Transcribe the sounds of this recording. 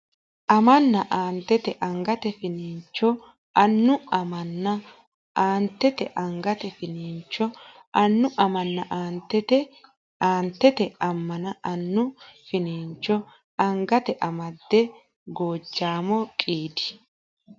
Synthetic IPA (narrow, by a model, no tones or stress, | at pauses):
ʔɐmɐnːɐʔaːnt̪ːɛt̪ɛʔɐŋɡɐt̪ɛfɪniːnt͡ʃːɔ | ɐnːʊɐmɐnːɐ | ʔaːnt̪ːɛt̪ɛʔɐŋɡɐt̪ɛfɪniːnt͡ʃːɔ | ɐnːʊʔɐmɐnːɐʔaːnt̪ɛt̪ɛ | aːnt̪ːɛt̪ɛɐmːɐnɐɐnːʊfɪniːnt͡ʃːɔ | ɐŋɡɐt̪ɛʔɐmɐd̪ːɛ | ɡoːd͡ʒːaːmɔkʼiːd̪ɪ̥